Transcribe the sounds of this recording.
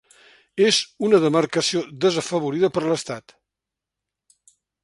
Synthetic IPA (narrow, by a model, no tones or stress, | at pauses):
ezunəðəmərkəsiod̪əzəfəβ̞uɾiðəpəɾləst̪at̪